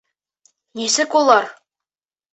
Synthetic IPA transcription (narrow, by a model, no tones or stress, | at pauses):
nʲisɘ̆kulˠɑr